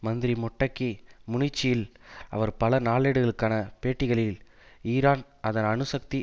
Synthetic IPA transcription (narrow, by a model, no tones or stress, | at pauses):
mɐnd̪ɪɾimɔʈːɐkːimʊɳɪt͡ʃːɪjɪlɐ̰ʋɐɾpɐlɐnaːɭeːɽɯɣɐɭɯkːaːnɐpeːʈːɪɣɐɭɪl | iːɾaːn | ɐðɐnɐɳɯsɐk̚t̪i